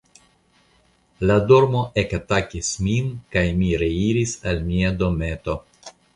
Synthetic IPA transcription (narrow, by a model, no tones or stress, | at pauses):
ladoɾmo̞ʔekatakisminkajmiɾe̞iɾisalmiado̞me̞to̞